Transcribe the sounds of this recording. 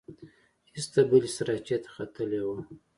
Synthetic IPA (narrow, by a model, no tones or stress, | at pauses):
hist̪abəlisɾat͡ʃet̪ḁxat̪əlewu